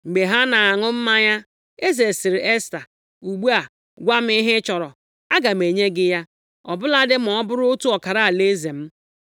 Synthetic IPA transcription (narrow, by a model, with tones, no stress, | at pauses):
ŋ͡m̩˨ɡ͡be˨ɦa˦na˨a˨ŋʊ˦m̩˦ma˦ɲa˦ | e˦ze˨sɪ˨ɾɪ˨ʔe˦sta˨ | u˨ɡ͡bu˦a˨ | ɡʷa˦m̩˦i˦ɦɪ˦t͡ʃɔ˨ɾɔ˨ | a˦ɡa˨m˨e˨ɲe˦ɡɪ˦ja˦ | ɔ˨bʊ˦la˦dɪ˦m̩˨ɔ˦bʊ˦ɾʊ˦tu˦ɔ˨ka˨ɾa˨a˨le˦ze˨m̩˦